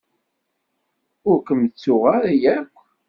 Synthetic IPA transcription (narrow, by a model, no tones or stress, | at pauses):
ʊɾkəmt͡sːʊʁaɾjækʷː